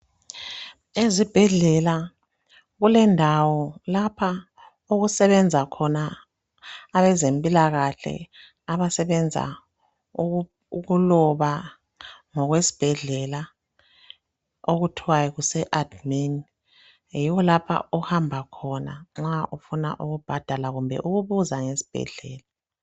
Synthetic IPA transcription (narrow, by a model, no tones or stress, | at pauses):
ezib̥ʱɛɮɛla | ɣulɛndʱawɔlapʰa | uɣusɛβɛnd͡zʱakʰɔnaː | βɛzempʼilaɣaɬɛ̰ | aβasɛβɛnd͡zʱa̰ | uɣulɔβa | ŋɔɣwesi̥b̥ʱɛɮɛla | oɣutʰiwajɛɣusɛʔad̥min | jiwɔlapʰa̰uhambʱakʰɔna̰ŋ͡ǁaʔufuna̰ʔuɣub̥ʱad̥ʱalaɣumbʱɛ̰ʔuɣuβuzaŋesi̥b̥ʱɛ̰ɮɛ̰ːla